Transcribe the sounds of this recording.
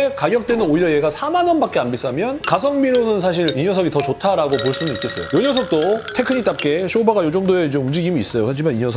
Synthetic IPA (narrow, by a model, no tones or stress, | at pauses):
ekaɡjʌk̚t͈we̞nɯnoiɾʌjeɡasʰamanʌnbak͈eanbis͈amjʌnkasʰʌŋbiɾonɯns̬ʰaɕ̬ʰiɾiɲʌsʰʌɡitʌt͡ɕotʰaɾaɡopoɭs͈unɯnik͈ʰe̞s͈ʌjo̰joɲʌsʰʌk̚t͈otʰe̞kʰɯɲit͈ap̚k͈e̞ɕʰobaɡajod͡ʑʌŋdoe̞d͡ʑeumd͡ʑiɡimiːs͈ʌjoɸad͡ʑimaniɲjʌsʰʌ